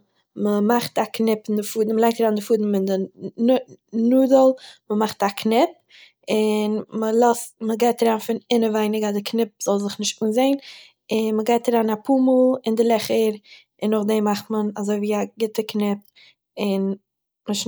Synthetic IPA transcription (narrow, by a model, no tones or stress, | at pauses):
məmaχtaknɪpɪndɪfuːdn̩məlˠaɪk̚taɾaːndɪfuːdn̩ɪndɪ | nuːdəlˠməmaχtakʰnɪp̚ | ɪnməlˠɔstməɡaɪtaɾaːnfɪnɪnəvaɪnɪɡadɪkʰnɪp̚z̥ɔlˠzɪχnɪʃtuːnzeɪn | ɪnməɡaɪtaɾaːnapuːməlˠɪndɪlˠɛχəɾ | ɪnʊχdɛmaχtmənazoɪviːaɡɪtəknɪp̚ | ɪn | məʃ